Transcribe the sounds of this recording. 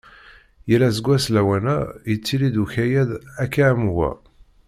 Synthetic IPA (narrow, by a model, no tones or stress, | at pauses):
jəɾæzəɡʷːæslæwænæjət͡sːilid̪uçæjæðækːæmwæ̰